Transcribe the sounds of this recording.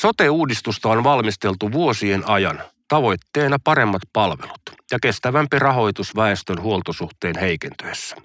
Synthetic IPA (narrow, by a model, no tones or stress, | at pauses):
so̞t̪euːdist̪ust̪ɑonʋɑlmist̪e̞lt̪uʋuosie̞nɑjɑnt̪ɑʋo̞jt̪ːe̞ːnɑpɑɾe̞mːɑt̪pɑlʋḛlut̪jɑke̞st̪æʋæmpirɑɦo̞jt̪usʋɑest̪ønhuolt̪osuht̪e̞ːnhe̞jkent̪øesːæ̥